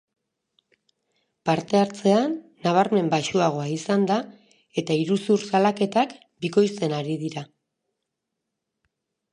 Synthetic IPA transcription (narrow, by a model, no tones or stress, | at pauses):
paɾt̪e̞aɾt͡se̞anː | aβ̞aɾme̞mbaʃuaɣ̞o̞aisand̪a | e̞t̪aiɾusuɾsalake̞t̪ak | biko̞jst̪e̞naɾiðiɾa